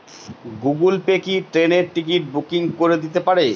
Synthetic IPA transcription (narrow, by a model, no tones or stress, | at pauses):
ɡuɡulpekiʈɾeneɾʈikiʈ̚bukiŋkoɾed̪it̪epaɾe